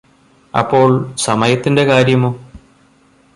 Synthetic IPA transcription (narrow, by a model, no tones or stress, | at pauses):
ɐ̰pːo̞ːɭsɐmɐjɐt̪ːinde̞kaːɾjɐmoː